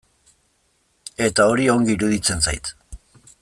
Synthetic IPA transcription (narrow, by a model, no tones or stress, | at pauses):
e̞t̪ao̞ɾioŋɡiiɾuðit͡se̞nt͡sa̰jt̪